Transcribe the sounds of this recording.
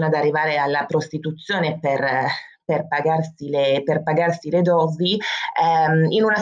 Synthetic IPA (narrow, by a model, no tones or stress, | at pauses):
nad̪arːivaːɾealːapɾost̪it̪ut̪sːjoːneper | perpaɡarsileperpaɡarsiled̪ɔːziɛinuna